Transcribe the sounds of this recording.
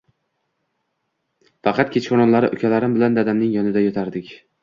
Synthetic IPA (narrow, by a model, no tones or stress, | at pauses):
fɑqɑt̪̚kʲʰet͡ʃʰχoɾɒnlaɾɪʔʊkʲʰalaɾɪmbɪland̪ad̪amnɪŋjɒnɪd̪ajɒt̪ʰaɾd̪ɪkʲ